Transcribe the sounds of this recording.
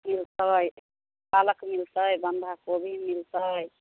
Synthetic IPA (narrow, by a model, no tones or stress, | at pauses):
milt̪əj | paləkmilt̪əjbənd̪ʱakobʱimilt̪əj